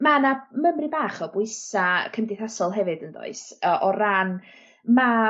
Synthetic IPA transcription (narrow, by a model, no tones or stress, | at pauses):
manaməmribaːχɔbʊɨsakʰəmdɪθasɔlˠɦɛvɨdəndo̰ɨsəʔɔran | ma